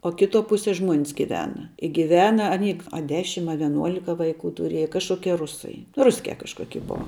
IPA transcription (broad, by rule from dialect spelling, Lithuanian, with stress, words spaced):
oː ˈkʲɪˌtuɔ ˈpʊsʲiɛ ˈʒmuɔnʲs ɡʲɪˈʋʲæːnɐ ɪ ɡʲɪˈʋʲæːnɐ ɐˈnʲiː ɐ ˈdʲæːʃʲɪm ɐ ʋʲiɛˈnuɔlʲɪkɐ ʋɐɪˈkuː tʊˈrʲeːjɛ kɐʃˈkoːkʲiɛ ˈrʊsɐɪ ˈrʊsʲkʲɛ kɐʃˈkoːkʲɪ ˈbʊɐ